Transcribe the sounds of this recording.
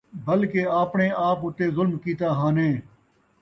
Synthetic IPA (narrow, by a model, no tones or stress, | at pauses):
bəlkeːaːpɳẽːʔaːpʊt̪eːzʊlmkiːt̪aːɦaːnẽː